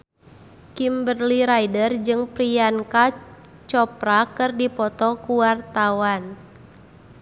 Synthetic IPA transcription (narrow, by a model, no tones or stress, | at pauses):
kimbərliɾajdərd͡ʒɨŋpɾianka | t͡ʃɔpɾakɨrdipɔt̪ɔkuwart̪awan